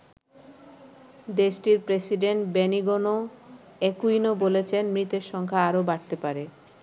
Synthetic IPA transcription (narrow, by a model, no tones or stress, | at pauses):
d̪eʃʈiɾpɾesiɖeɳʈbeniɡono | ekujnobolet͡ɕʰenmɾit̪eɾʃɔŋkʰaaɾobaɾt̪epaɾe